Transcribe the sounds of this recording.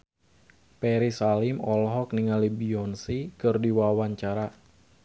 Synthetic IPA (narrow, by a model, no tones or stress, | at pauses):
pɛɾisalimɔlɦɔk̚niŋalibiɔnsikɨrdiwawaɲt͡ʃaɾa